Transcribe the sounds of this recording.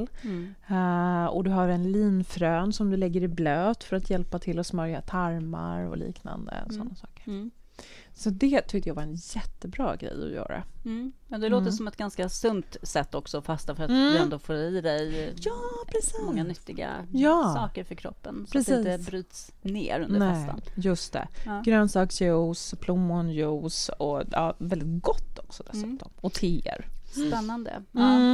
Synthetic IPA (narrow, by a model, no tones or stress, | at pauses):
l | ɔ̰d̪ɵɦaɾɛnliːnfɾøːnsɔmd̪ɵlɛɡːəɾɪbløːt̪fœɾat̪jɛlpat̪ʰɪlːɔsmœɾjat̪ʰaɾma̰ɾɔ̰lḭːkna̰nd̪ə̰ɔsɔnːasɑːkə̥ɾ | sɔd̪ɛt̪ʰʏk̚t̪əjaːvaɾɛnjɛt̪ːəbɾɑ̰ːɡɾɛ̰jːɔ̰jœ̰ːɾa̰ɛnd̪ɛloːt̪əɾsɔmɛt̪ɡanskasɵnt̪sɛt̪ːɔksɔfast̪afœɾat̪d̪ɛnnd̪oːfoːɾid̪ɛjjɑːpʰɾɛsiɔmŋːanʏt̪ːɪɡa̰jɑːsɑːkəɾfœɾkʰɾɔ̰pːənspʰɾaɛsɪiːɛbɾyːt̪s | nḛːɾɵnndəɛfɛst̪a̰njɵst̪ɛ̰ːɡɾœnsɑːksjuːspʰlumːɔnjuːsɔjɑːvɛld̪ɪt̪̚ɡɔt̪ːɔksɔd̪ɛssʉ̟ːt̪ɔmɔt̪ʰeːə̰ɾspɛnːand̪ə̰ɑ